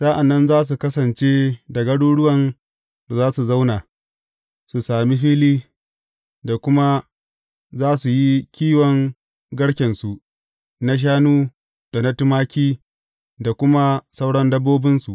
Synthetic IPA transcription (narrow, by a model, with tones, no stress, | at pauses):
saː˦ʔa˨nːɐ˦nzaː˦s̬u˨kɐ˦sɐ˨nt͡ʃe˦da˨ɡɐ˦ɽuː˦ɽʊ˦wɐ˨n | da˨zaː˦su˨za˦wna˨ | su˨saː˨mi˦ɸiː˦liː˦ | da˨kʷʊ˦ma˦ | zaː˦su˨ji˦kʲiː˦wɔ˨ŋ | ɡɐ˦ɽkʲɛ˨nsu˨ | na˦ʃ̬aː˦nuː˦ | d̥a˨na˦tʊ˦maː˦kʲiː˦ | da˨kʷʊ˦ma˦sa˦wɽɐ˦ndɐ˦bːoː˦bɪ˦nsu˨ʔ